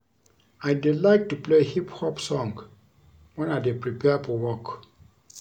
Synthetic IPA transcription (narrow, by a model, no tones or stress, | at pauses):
aɪdilaɪk̚tuplehiphɔpsɔ̃ŋɡ | wɛ̃nadepɹipʰɛafɔwɔk